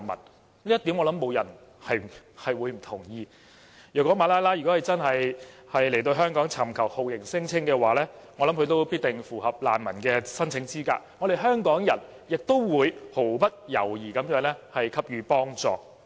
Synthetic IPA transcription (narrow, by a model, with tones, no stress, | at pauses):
nmɐ̰˨˩n | li˥jɐ˥t̪iː˨˥mŋɔː˨˧lɐ˨˦˥mːo˨˧wjɐ˨˩n | hɐ˨jhɐ˨jwuː˨˧jm̩˨˩t̪ʰʊ˨˩ŋjiː˧ | jœː˨˩kɔː˨˥maː˨˥laː˥jlaː˥jy˨kɔ˨˥hɐ˨jt͡sɐ˥nɦɐ˨jhɐ˨jle˨˩jt̪̬o˧wɦœː˥ŋkɔː˨˥ŋt͡sʰɐ˨˩mkʰɐ˨˩who˨wjɪ˨˩ŋsɪ˥ŋt͡sʰɪ˥ŋkɛː˧waː˨˩lɛː˥ŋɔ˨˧lɐ˨˥mkʰɵ˧˥t̪o˥wpiː˥t̚t̪ɪ˨ŋfuː˨˩hɐ˨p̚la̰ː˨nmɐ˨˩nkɛː˧sɐ˥nt͡sʰɪ˨˥ŋt͡siː˥ka̰ː˧k̚ŋɔ˨˧ɾe˨˩ɦœː˥ŋkɔː˨˥ŋjɐ˨˩n | jɪ˨k̚t̪o˥wwuː˨˧jho˨˩wpɐ˥t̚jɐ̰˨˩wjiː˨˩kɐ˨˥mjœː˨˥ŋlɛː˥hɐ˨jkʰɐ˥p̚ɥyː˨˧pɔː˥ŋt͡sɔ̰ː˨